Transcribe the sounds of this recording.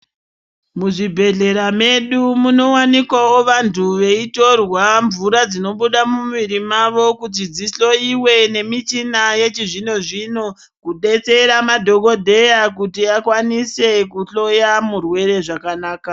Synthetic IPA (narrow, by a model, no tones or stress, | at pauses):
muʐibʱe̞ɮe̞ɾame̞ɗumuno̞wanikwaoʋantʰuʋe̞ito̞rwaɱvuɾad͡zino̞ɓuɗamuʋiɾimaʋo̞kut̬id͡ziɬo̞iwe̞ne̞mit͡ʃinaje̞t͡ʃiʐino̞ʐino | kuɗe̞t͡se̞ɾamadʱo̞ɡo̞dʱe̞jakutiakwanise̞kuɬo̞jamurwe̞ɾe̞ʐakanaːka